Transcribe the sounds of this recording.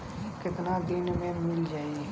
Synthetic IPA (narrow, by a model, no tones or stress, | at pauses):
kɪt̪nad̪ɪnmẽmɪld͡ʒaːi